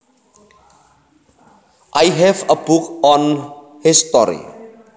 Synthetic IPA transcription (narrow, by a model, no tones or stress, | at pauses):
ʔajɦɛvəbukɔ̃n | hɪstɔɾḭ